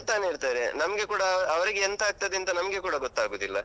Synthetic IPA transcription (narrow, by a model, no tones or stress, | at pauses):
t̪aːneiɾt̪aːɾenɐmɐɡe̞kuːɽɐɐʋɐɾiɡeent̪ɐaːɡ̚t̪ɐd̪eɐnt̪ɐnɐmɐɡekuːɽɐɡɔt̪ːaːɡoːd̪ilːɐ